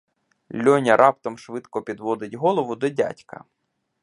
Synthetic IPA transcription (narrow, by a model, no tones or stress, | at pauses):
lʲɔnʲɐɾʔɑp̚t̪ɔmʃʋɪt̪kɔpʲid̪ʋɔd̪ɪtʲɦɔlˠɔʋʊd̪ɔdʲa̰tʲkɐ̰